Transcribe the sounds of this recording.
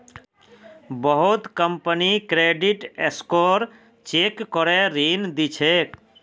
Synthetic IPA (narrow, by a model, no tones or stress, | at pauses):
bəɦut̪kəmpənikɾeɖiʈeskoɾ | t͡ʃekːɔɾeɾind̪it͡ʃʰek